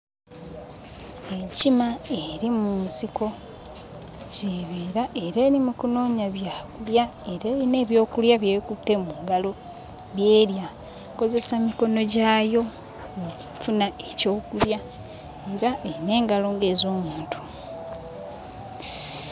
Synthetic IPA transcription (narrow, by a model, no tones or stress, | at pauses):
ecimaeɾimunsiko̞ | ceβeːɾaʔe̞ɾe̞ːɾimukuno̞ːɲaβjaːkulja | e̞ɾeːɾine̞ːβjo̞ːkuljaβjeːβikutːe̞muŋɡalo̞ | βje̞ːɾja | ko̞ze̞samiko̞no̞ɟaːjo̞ | ouufunaeco̞ːkulja | eɾaʔeine̞ːŋɡalo̞ːŋɡe̞ːzo̞ːmuːntʰu̥